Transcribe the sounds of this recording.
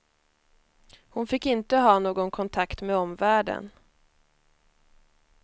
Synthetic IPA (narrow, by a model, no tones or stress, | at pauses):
hʊnfɪkːɪnt̪əɦɑːnoːɡɔnkʰɔnt̪ʰakt̪mɛɔmvæːɖə̰n